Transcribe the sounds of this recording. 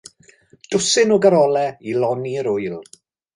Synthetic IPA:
d̥ʊsɪnɔɡaɾɔlˠɛilɔniəɾʊjlˠ

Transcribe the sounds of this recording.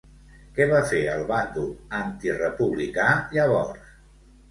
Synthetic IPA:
kɛβafeəlˠβand̪uant̪irəpuβlikaʎəβ̞ɔrs

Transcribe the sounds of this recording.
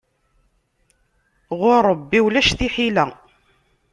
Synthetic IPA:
ʁʊɾˤəbːiwlæʃθiħilæ

